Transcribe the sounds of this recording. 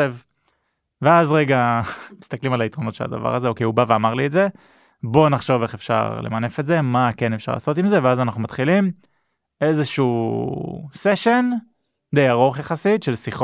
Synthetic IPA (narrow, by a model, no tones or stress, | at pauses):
ev | veazʁeɡamist̪aklimalait̪ʁo̞notʃela̰d̪a̰va̰ʁazeokejubaveamaʁlietze̞ | bo̞naχʃo̞veχefʃa̰ʁlḛmane̞fe̞tze̞make̞nefʃa̰ʁla̰ːsot̪imze̞veazanaχnumat̪χilim | e̞zeʃuː | seʃen | d̪ejaʁo̞χjaχasitʃe̞lsiχo